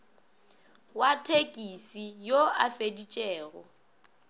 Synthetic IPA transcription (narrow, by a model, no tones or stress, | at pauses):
watʰekʼisijoafedit͡ʃʼɛːɣɔ̰